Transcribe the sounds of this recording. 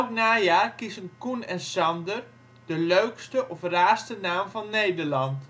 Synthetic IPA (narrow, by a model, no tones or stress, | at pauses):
ɛlknaːjaːrkizənkunɛnsɑndər | d̥əløɥkstəʔɔfraːstənaːmvɔnːejdərlɑnt